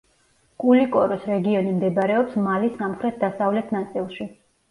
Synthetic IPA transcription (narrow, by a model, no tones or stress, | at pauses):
kʼulikʼɔɾɔsɾɛɡiɔnimd̪ɛbaɾɛɔpsmalisamχɾɛt̪̚ʰd̪asavlɛt̪ʰnat̪sʼilˠʃi